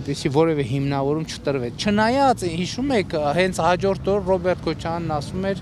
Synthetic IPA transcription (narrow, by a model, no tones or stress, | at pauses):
ɾpisivɔɾɛvɛɦimnɑvɔɾumt͡ʃʰə̥t̪əɾvɛt͡sʰt͡ʃʰənɑjɑt͡shiʃumɛkʰhɛnt͡sʰhɑd͡ʒɔɾt̪ʰɔɾrɔbɛɾt̪̚kʰɔt͡ʃʰɑjɑnːɑsumɛɾ